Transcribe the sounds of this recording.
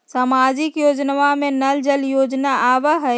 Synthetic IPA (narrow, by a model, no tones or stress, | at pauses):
saːmaːd͡ʒɪkjoːd͡ʒnəʋamẽnɐld͡ʒəljoːd͡ʒnaʔaːʋəɦɛ